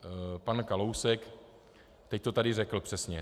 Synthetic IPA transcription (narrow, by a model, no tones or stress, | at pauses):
pankalowsɛk | t̪ɛc̚t̪ot̪adɪrɛkl̩pr̥ɛsɲɛ